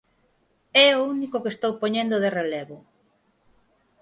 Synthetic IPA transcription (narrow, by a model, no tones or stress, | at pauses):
ɛounikokest̪owpoɲẽnd̪oðerelɛβʊ